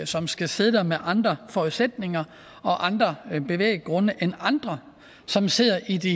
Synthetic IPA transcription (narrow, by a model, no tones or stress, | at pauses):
sɒ̽msɡ̥æse̝ð̞̩ˠd̥æɐmeʔɑ̈nd̥ʁɐfɒuð̩ˠsed̥ne̝ŋɐ | ɒ̽ʔɑ̈nd̥ʁɐb̥e̝ʋḛːɪ̥ɡ̥ʁɔ̽nəʔenɑ̈nd̥ʁɐ | sɒ̽mse̝ð̰ˠɐʔid̥i